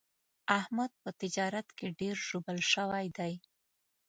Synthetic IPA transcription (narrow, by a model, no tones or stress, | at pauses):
ahmad̪̚pət̪ɪd͡ʒɑɾat̪keɖeɾʒobəlʃəwajd̪aj